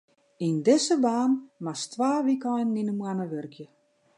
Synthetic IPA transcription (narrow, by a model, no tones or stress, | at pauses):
indɪsəbaːnmastʋaːʋikɔjnninəmwanəʋørkʰjə